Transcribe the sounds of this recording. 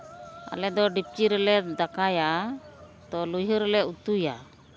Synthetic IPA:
a̰lɛd̪ɔɖip̚t͡ʃiɾɛlɛd̪akaja | t̪ɔlujɦɔɾɛlɛut̪uja

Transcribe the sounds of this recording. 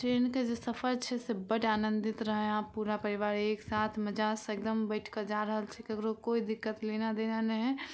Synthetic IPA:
ʈɾeːnked͡ʒesəpʰəɾt͡ʃʰɛsebəʈaːnə̃nd̪ɪt̪ɾəɦẽapːuːɾapəɾiʋaːɾeːksaːt̪ʰməd͡ʒasek̚d̪əmbəɪʈʰkəd͡ʒaɾəɦəlt͡ʃʰɛkiəɡɾokoːid̪ɪkːət̪leːnad̪eːnanɛɦɛ̃

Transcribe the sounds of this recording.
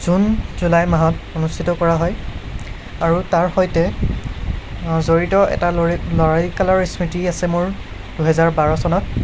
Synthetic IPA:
z̥unz̥ulajmaɦɔtonustʰitɔkɔɹaɦɔj | aɹutaɹxɔjtɛ | zoɹitɔɛ̰talɔɹajkalɔɹismitiasɛmʊɹ | d̥uɦɛzaɹbaɹɔsɔnɔt̚

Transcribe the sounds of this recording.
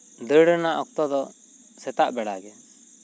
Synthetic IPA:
d̪əɽənaʔɔk̚t̪ɔd̪ɔ | sɛt̪aʔbɛɽaɡɛ

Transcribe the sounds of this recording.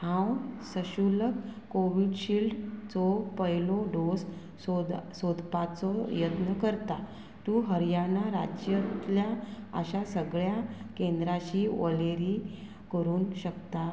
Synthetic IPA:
hãwsəɕuləkkːoʋiɖɕiːlɖt͡sɔpəjlɔɖos | sod̪pat͡sɔjət̪nəkəɾt̪a | t̪uɦəɾjanaɾad͡ʑjət̪ljaə̰ɕasəɡɭjakend̪ɾaɕiːʋəleɾiː | kəɾuːnɕəkt̪a

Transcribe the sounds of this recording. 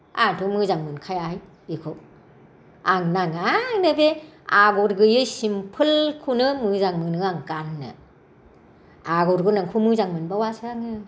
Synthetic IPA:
a̰ŋtʰumɯzaŋmɯnkʰajaj | bikʰɔk̚ | aŋnaŋaŋnɯbeaɡɔɾɡɯjɯsimpʰɯlkʰunɯmɯzaŋmɯnɯaŋkanːɯ̰ | aɡɔɾɡɯnaŋkʰumɯzaŋmɯnbawasɾaŋɯ

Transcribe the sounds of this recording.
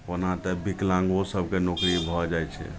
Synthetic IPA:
onãt̪ɛbiklãŋɡosəb̚ʱkenokɾibʱɔd͡ʒajt͡ʃʰɛ̰

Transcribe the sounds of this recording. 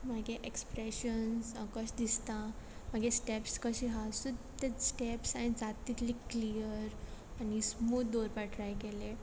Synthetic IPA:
maɡeʔekspɾeɕənsəkəɕd̪ist̪ãmaɡʱesʈepskəɕiɦasud̪t̪esʈepsanid͡zat̪it̪likliəɾanismuːt̪d̪oɾpaʈʰɾajkele

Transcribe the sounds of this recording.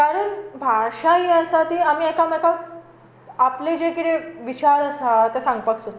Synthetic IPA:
kaɾəːnbʱaɾʂaɦiəsat̪iːamiːekameka | apled͡ʑekiʈ̪eʋit͡ɕaɾəsat̪esãŋɡpəksot̪

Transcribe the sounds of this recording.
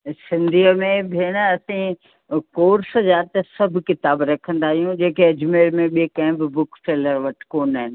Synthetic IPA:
sɪ̃nd̪ʱiːəmẽbɪɪnɐsĩ | koːɾszaːt̪esɐbʱkɪt̪aːbɾɐkʰə̃nd̪aːɦijũd͡ʑeːkeɐd͡ʑmeːɾmẽɓikɐ̃ɦɪ̃bɪbʊkseːləɾʋɐʈʰkoːnaːɦɪnɪ̆

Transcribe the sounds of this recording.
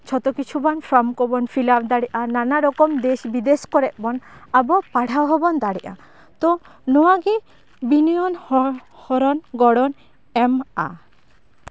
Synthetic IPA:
t͡ʃʰɔt̪ɔkit͡ʃʰubanpʰɾɔmkɔbɔnfʰilabd̪aɽiʔananaɾɔkɔmd̪esbid̪eskɔɾɛʔ̚bɔnabɔpaɽ̤ʱawɦɔbɔnd̪aɽiʔa̰ | t̪ɔ | nɔwaɡi | binijɔnhɔhɔɾɔnɡɔɽɔn | ɛma̰

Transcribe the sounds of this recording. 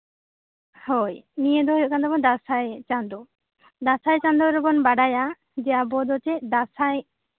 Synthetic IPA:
hɔjnijed̪ɔɦɔjɔʔkand̪abɔd̪asajt͡ʃand̪ɔ | d̪asajt͡ʃand̪ɔɾɔbɔnbaɖaja | d͡ʒɛjabɔd̪ɔt͡ʃɛd̪asaj

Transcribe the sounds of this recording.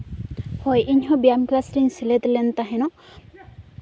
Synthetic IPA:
hɔjʔiɲɦɔ̃bijamklasɾiɲsilet̪lent̪aɦenɔ

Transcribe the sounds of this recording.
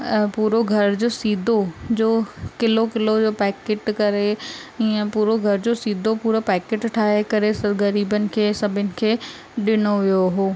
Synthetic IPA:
puːɾoɡʱɐɾd͡ʑoːsiːd̪ʱod͡ʑoːkɪlokɪlod͡ʑoːpɛːkeːʈkɐɾeiə̃puːɾoɡʱɐɾd͡ʑosiːd̪ʱopuːɾopɛːkeːʈʈʰaːɦekɐɾesɡɐɾiːbənɪ̆kʰeːsɐbʱənɪ̆kʰeː | ɗɪnoʋijoɦoː

